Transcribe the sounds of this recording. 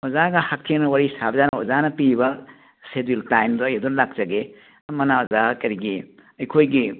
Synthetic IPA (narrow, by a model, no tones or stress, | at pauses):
ɔzaɡɐhak̚tʰeŋnɐwaɾisabzanɐɔzanɐpibɐ | sediltajmdɔjedunlak̚zɐɡe | mɐnaɔzakɐɾiɡi | ɐjkʰojɡi